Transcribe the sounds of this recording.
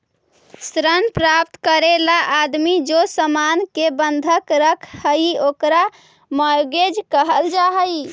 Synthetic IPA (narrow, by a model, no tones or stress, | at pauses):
sɾənpɾap̚t̪kəɾelaʔːd̪mid͡ʒosəmankebənd̪ʱəkɾəkʰhəiokɾa | məjɡed͡ʒkəɦəld͡ʒaɦəj